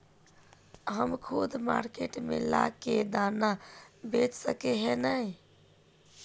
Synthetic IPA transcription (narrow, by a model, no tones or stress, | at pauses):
ɦəmkʰud̪ʱma̰ɾkeʈmḛla̰ked̪anabet͡ʃsəkeɦenəj